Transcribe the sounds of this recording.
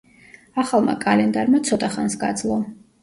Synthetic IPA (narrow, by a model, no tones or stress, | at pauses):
aχalˠma̰kʼalɛnd̪aɾmat̪sʰɔt̪ʼaχansɡa̰d̪zlˠɔ